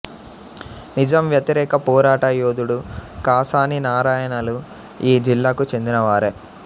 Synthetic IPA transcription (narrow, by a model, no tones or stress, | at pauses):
nid͡ʒɐmʋjɐt̪iɾɛːkɐpɔːɾaːʈɐjoːd̪uɽukaːsaːninaːɾaːjɐnɐlu | iːd͡ʒilːaːkut͡ʃe̞nd̪inɐʋaːɾe